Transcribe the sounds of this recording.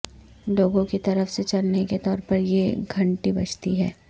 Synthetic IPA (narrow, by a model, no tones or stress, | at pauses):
loːɡõket̪ɐɾəfset͡ʃɐlneket̪ɔːɾpɐɾjeɡʱɐ̃ɳʈibɐt͡ʃʰt̪iɦɛː